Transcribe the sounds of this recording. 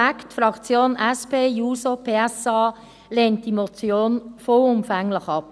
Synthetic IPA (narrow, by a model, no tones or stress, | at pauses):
ɛktfɾɑkt͡sjoːnɛspeːjuːsopʰeːɛsɑː | leːnt̚d̥imot͡sjoːnfoːʊmfɛŋlɪxɑp̚